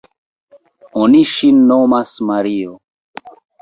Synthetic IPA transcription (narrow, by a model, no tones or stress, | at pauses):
oniʃinːomasmaɾio